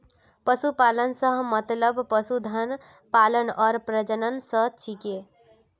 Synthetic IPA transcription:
pʌsupalənsʌɦmʌt̪ləbpʌsud̪ʱən | palənʌɾpɾəd͡ʒənənsʌɦt͡ʃʰike

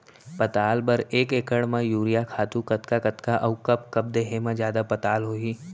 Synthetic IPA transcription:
pɐt̪aːlbɐɾeːkeːkəɽmãjuːɾijakʰaːt̪ukɐt̪kakɐt̪kaʔɐʊkɐp̚kɐp̚d̪eːɦemãd͡ʒjaːd̪apɐt̪aːlɦoːiː

